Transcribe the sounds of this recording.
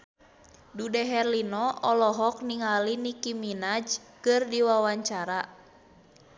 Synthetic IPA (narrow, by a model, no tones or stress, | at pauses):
dudɛɦɛrlinɔɔlɔɦɔk̚niŋalinikiminad͡ʒkɨrdiwawaɲt͡ʃaɾa